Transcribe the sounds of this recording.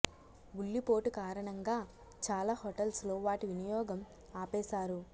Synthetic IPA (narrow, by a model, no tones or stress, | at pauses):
uɭːipo̞ːʈukaːɾɐɳɐŋɡaː | t͡ʃaːlaːhɔʈɐlslo̞ːʋaːʈiʋinijɔːɡɐm | aːpɛːsaːɾu